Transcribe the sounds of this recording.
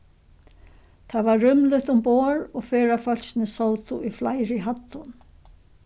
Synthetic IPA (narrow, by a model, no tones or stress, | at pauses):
t̪ʰavaːʏmlʏht̪ʊmpoːɹɔɣfɛːɾafœl̥sɪnɪsowt̪ʊʔiflajɾɪɦat̪ːʊn